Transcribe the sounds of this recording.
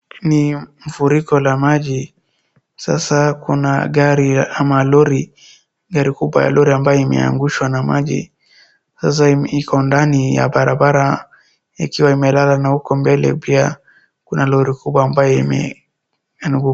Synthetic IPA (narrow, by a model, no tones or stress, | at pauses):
niɱ̩fuɾikɔlamaʄi | sa̰sakunaɡaɾiamalɔɾi | ɡaɾikuɓwa̰ja̰lɔɾiambajɔimɛ̰a̰ŋɡuʃwanamaʄḭ | sas̬aikʰɔndanija̰ɓaɾabaɾa | ḭkiwaimɛlalanahukɔmbɛlɛ̰pia | kunalɔɾikuɓwaːmbajɔimɛ̰ | nuɡu